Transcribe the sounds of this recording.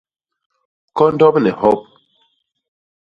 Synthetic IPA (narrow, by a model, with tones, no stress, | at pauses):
kɔ˦n˦dɔ˦pnɛ˨hɔ˦p̚